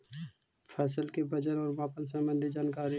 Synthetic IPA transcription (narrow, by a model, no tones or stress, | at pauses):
pʰɛːsəlkebɐd͡ʒənɔːɾmãːpənsə̃mbə̃nd̪ʱid͡ʒaːnkaːɾi